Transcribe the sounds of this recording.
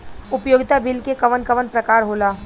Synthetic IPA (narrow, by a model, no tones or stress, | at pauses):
ʊpjoːɡɪt̪abɪlkekɐʋənkɐʋənpɾɐkaːɾɦoːlaː